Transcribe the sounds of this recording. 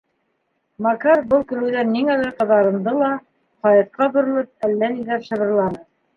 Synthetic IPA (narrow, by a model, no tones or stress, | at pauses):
mɑkɑɾbɤlˠkɵ̆ɾɘ̆wðænnːiŋælæɾqɤ̆ðɑɾɤ̆nd̪ɤlˠɑ | qɑjɑt̪̚qɑbŏɾɤ̆lˠɤp̚ælːænilæɾʃɤ̆βɤ̆ɾlˠɑnɤ